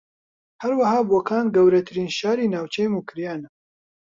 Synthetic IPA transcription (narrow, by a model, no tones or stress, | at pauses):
hɐɾwɐhaːboːkaːnɡɐwɾɐt̪ʰɨɾiːnʃaːɾiːnaːwt͡ʃʰɛjmukʰɨɾjaːna